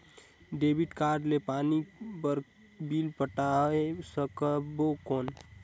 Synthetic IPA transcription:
ɖebiʈkaɾɖlepanibəɾk | bilpəʈaɦesəkəbokoːn

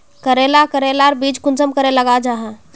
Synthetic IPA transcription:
kəɾelakəɾelaɾbid͡ʒkunsəmkəɾeləɡad͡ʒaɦɛ̃

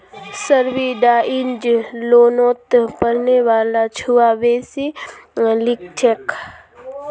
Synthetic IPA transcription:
səɾʋiɖaʔɪnd͡ʒloːnoːt̪pəɾneʋaːlat͡ʃʰuʋaʋeːsi | lɪk̚ʈʰek

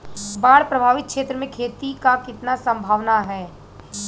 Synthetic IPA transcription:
baːɽpɾɐbʱaːʋɪt̪̚kʃeːt̪ɾəmẽkʰeːt̪ikakɪt̪nasɐ̃mbʱaːʋnaɦɛː

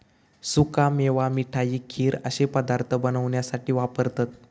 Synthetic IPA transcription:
sukameʋamiʈʰajiːkʰiːɾə̰ɕepəd̪aɾt̪ʰəbənəʋɳjasaʈiːʋapəɾt̪at̪̚

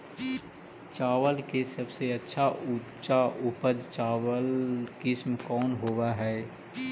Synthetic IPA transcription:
t͡ʃaːʋəlkesɐbseɐtːʃʰaʔu | t͡ʃaʔʊpəd̪t͡ʃaːʋəlkɪsmkɔːnɦoːwaɦɛː

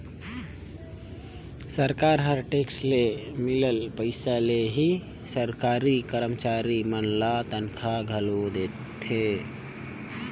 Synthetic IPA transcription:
səɾkaɾɦəɾʈekslemiləlpəɪsaleɦi | səɾkaɾikəɾəmt͡ʃaɾimənlat̪ənkʰaɡʱəlod̪et̪ʰ | e

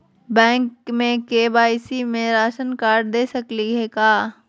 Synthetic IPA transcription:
bɛ̃ːŋkmẽkeːbaːisimẽɾaːʃənkaːɾɖd̪eːsɐkliɦeːkaː

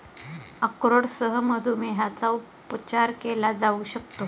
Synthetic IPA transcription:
əkɾoɽsəɦəməd̪ʱumeɦat͡sau | pət͡ɕaɾkelad͡zauɕəkt̪o

